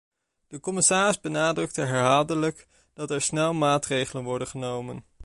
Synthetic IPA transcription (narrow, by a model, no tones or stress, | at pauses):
d̥əkɔmɪsaːrɪzbənaːdrɵk̚təɦɛɹɦaːlˠdələk | d̥ɑtɛɹsnɛlˠmaːtrejχələnʋɔɹdənχənowmə̰n